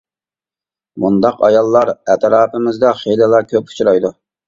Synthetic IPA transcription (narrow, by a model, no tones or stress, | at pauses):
mund̪ɑqɑ̰jɑlˠːɑɾɛt̪ɾɑːpɪmɪzd̪ɑχelɪlˠɑkʲʰøpu̥t͡ʃʰuɾɑjd̪u